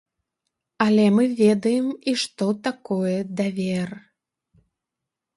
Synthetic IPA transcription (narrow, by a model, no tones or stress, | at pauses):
ɐlʲɛmɨvʲɛd̪ɐjɛmiʂt̪ɔt̪akɔjɛd̪avʲɛr